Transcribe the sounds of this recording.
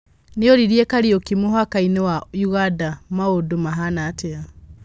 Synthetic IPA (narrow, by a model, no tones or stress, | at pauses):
neoɾiɾiekaɾiokimoɦakainewaiɣadamaodomaɦanaːtea